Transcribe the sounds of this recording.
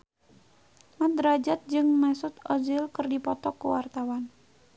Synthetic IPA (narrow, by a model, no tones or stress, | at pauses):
mat̪̚ɾad͡ʒat̪̚d͡ʒɨŋmɛsʊt̪ɔzɪlkɨrdipɔt̪ɔkuwart̪awan